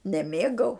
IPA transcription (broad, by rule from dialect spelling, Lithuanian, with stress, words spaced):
nʲɛˈmʲeːɡɐʊ